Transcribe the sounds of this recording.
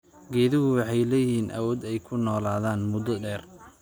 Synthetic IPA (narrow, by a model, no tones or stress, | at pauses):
ɡɛːðɪɣʊwɑħɑjlɛːjɪhiːnʔɐ̰wɔːd̪ɛjkʰʊnɔːlaːðaːnmʊd̪ɔɖɛːr